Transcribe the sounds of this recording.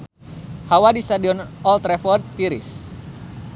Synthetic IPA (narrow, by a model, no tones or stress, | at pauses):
hawadist̪adiɔnɔlt̪ɾɛfɔrd̪t̪iɾḭs